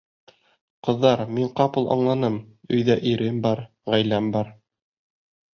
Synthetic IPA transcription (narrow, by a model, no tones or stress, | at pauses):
qɤ̆ðːɑɾmiɴqɑpɤ̆lˠʔɑ̰ɴlˠɑnɤmɵ̆jðæʔiɾɘmbɑɾ | ʁæjlæmbɑɾ